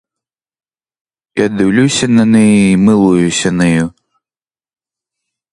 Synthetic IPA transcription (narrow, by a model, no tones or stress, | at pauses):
iɐd̪ɨwlʲusʲɐnɐnɨjɛimɨlˠujusʲɐnɨju